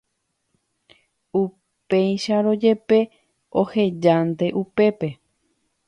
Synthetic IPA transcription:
u | pejʃaɾo̞d͡ʒe̞pe̞ | o̞he̞d͡ʒant̪e̞ʔupe̞pe̞

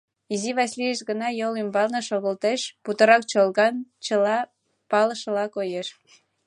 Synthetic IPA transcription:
iziβɑsʲlijeʃɡənɑjolymbɑlnə̆ʃoɣə̆lt̪eʃput̪ə̆ɾɑk̚t͡ɕolɣɑnt͡ɕə̆lɑ | pɑləʃəlɑkojeʃ

